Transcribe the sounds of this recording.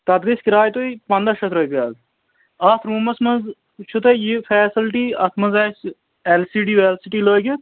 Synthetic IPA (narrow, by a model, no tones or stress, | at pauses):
t̪ɐd̪̚ɡɐskɾaːjt̪oipɐ̃nd̪ɐʃɐt̪ɾoːjpaːz | ɐt̪ʰɾuːmɐsmɐz | t͡ʃʰut̪ɐjifʰɛːsɐlʈiːɐt̪ʰmɐzaːt͡ʃʰ | elsiːɖiːʋeːlsiʈiːloːkʲet̪